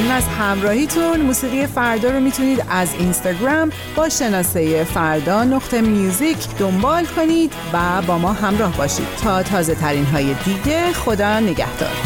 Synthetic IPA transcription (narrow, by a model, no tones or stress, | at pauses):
nunæzhæmɾɒːhiːt̪ʰunmuːsiːɣijefæɾd̪ɒːɾomiːt̪ʰuniːd̪æzinst̪ɑɡɾæm | bɒːʃe̞nɒːse̞jefæɾd̪ɒːno̞ɡt̪ʰemjuːzicʰd̪o̞mbɒːlkʰo̞niːd̪væbɒːmɒːɦæmɾɒːhbɒːʃḭːd̪̥̚t̪ʰɒːt̪ʰɒːze̞t̪ʰæɾiːnɦɒːje̞d̪iːɟe̞xo̞d̪ɒːne̞ɟæ̰hd̪̥ɒ̰ːɾ